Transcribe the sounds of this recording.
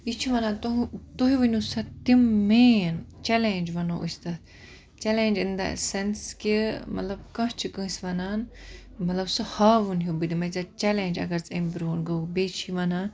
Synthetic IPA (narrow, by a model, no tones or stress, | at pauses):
it͡ʃʰiʋɐnaːnt̪t̪oɦiʋɐnʲusɐt̪imːeːnt͡ʃɛleːnd͡ʒʋɐnoːʔṵsʲt̪ɐt̪ | t͡ʃɛleːnʲd͡ʒɨnd̪a̰senskimɐt̪lɐbkɐ̃t͡ʃʰikɨ̃ːsʋɐnaːnmɐt̪lɐbsɨhaːʋunɦuːbɨd̪imɐzat͡ʃɛlend͡ʒɐ̰ɡɐɾt͡sɐmbɾoːnɡɐbeːt͡ʃʰiʋɐnaːn